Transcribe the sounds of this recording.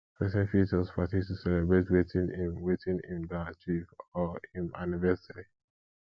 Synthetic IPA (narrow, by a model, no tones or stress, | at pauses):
pɹɛsɛ̃nfit͡ʃəspʰatistusɛlɛbɹetwetʰĩnĩnwetʰĩnḭ̃ndat͡ʃivɔĩna̰nivɛsəɹi